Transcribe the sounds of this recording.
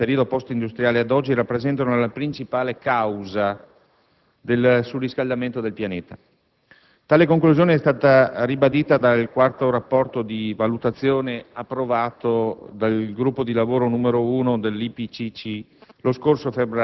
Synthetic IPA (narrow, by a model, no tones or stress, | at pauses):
peɾiod̪opɔst̪ind̪ust̪ɾjaːlead̪ɔd͡ʒːiɾapːɾezɛnt̪anolapɾint͡ʃipaːlekawza | d̪elsuriskald̪ament̪od̪elpjaneːt̪a | t̪aːlekoŋkluzjoːneɛst̪aːt̪aribad̪iːt̪ad̪alkwart̪oɾapːɔrt̪od̪ivalut̪at̪sːjoːneapːɾovaːt̪od̪alɡɾupːod̪ilavoːɾonuːmeɾouːnod̪elːipit͡ʃit͡ʃi | loskorsofebɾ